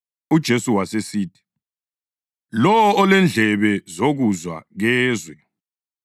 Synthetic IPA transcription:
ud̥ʒ̥ʱesuwasesiːtʰi̥ | lɔwɔːlɛnd͡ɮʱɛβɛzoɣuzwa̰ɣɛːzwɛ

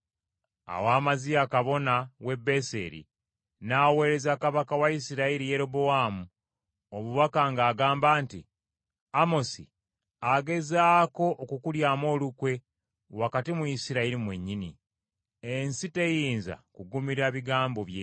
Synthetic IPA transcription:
a̰waːmazijakaβo̞nawe̞bːe̞sḛɾḭ | nawe̞ːɾe̞zakaβakawaisiɾaiɾije̞ɾo̞bo̞waːmu | omuβakaŋɡaːɡaːmbaːnti | amo̞si | aɡe̞zaːko̞ʔːkukuljaːmo̞ːlukwe̞ | wakatimuisiɾaiɾimwe̞ɲːini | ensite̞jiːnza̰kuɡumiɾaβiɡaːmbo̞βje

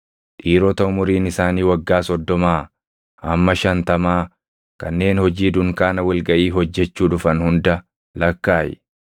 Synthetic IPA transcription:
ᶑiːɾɔt̪ɐʊmʊɾiːnɪsaːniːwɐɡːaːsɔd̪ːɔmaː | ʔɐmːɐʃɐnt̪ɐmaː | kɐnːe̞ːnhɔd͡ʒiːd̪ʊŋkaːnɐwɐlɡɐʔiːɦɔd͡ʒːɛt͡ʃːuːᶑʊfɐnhʊnd̪ɐ | lɐkːaːjɛ̰

